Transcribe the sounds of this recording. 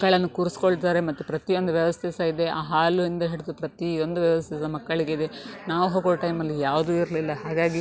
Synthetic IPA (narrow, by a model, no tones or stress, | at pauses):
kːɐɭɐnːukuːɾusi̥koɭt̪aːɾemɐt̪ːupɾɐt̪ijo̞nd̪uʋjɐʋɐst̪ʰɛsɐid̪e̞aːɦaːluind̪ɐɦiɽud̪upɾɐt̪io̞nd̪uʋjɐʋɐst̪ʰɛsɐmɐkːɐɭiɡeid̪enaːʋuɦoːɡoɽʈɐjmɐlːijaːʋd̪uːiɾlilːɐɦaːɡaːɡi